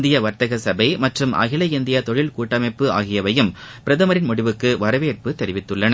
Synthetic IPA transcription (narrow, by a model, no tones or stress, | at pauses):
nd̪ɪjɐʋɐɾt̪ɐɣɐsɐbɐɪmɐʈrɯmʔɐ̰ɣɪlɐɪnd̪ɪjɐt̪ɔɻɪlkuːʈːɐmɐɪpːɯa̰ːɣɪjɐʋɐjɯm | pɪɾɐðɐmɐɾɪnmʊɽɪʋɯkːɯʋɐɾɐʋeːɾpɯt̪ɛɾɪʋɪt̪ːɯɭːɐnɐ